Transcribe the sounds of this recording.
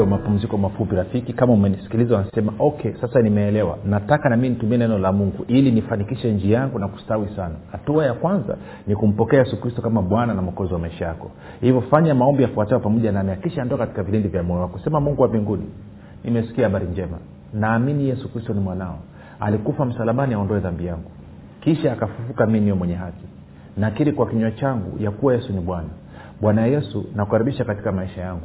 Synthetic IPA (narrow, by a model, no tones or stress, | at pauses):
mapum̩zikɔmafupiɾafikikamaumɛnisi̥kilizawanasɛmaʔɔkʰɛsasanimɛːlɛwa̰natakanamiinitumiɛnɛnɔlamuŋɡuʔilinifanikiʃɛɲd͡ʒijaŋɡunaku̥stawisanahatuajakwanza̰ | nikum̩pɔkɛajɛsukɾistɔkamaɓwananam̩ɔkɔziwamaiʃajakɔ | hivɔfaɲamaɔmbijafuatɛwapamɔʄanaːmɛjakiʃaandɔkakati̥kaviɾindivjamɔjɔwakɔsɛmamuŋɡuwaviŋɡuni | nimɛsi̥kiahaɓaɾiɲd͡ʒɛma̰ | naːminijɛsukɾistɔnimwanaɔ̰ | a̰likufam̩salamaniaɔndɔɛðambijaŋɡu | kiʃaːkafufukamimijɔmwɛɲɛɦaki̥ | nakiɾikwakiɲwat͡ʃaŋɡṵjakuwajɛsuniɓwana | ɓwanajajɛsṵnakukaɾiɓiʃakati̥kamaiʃajaŋɡu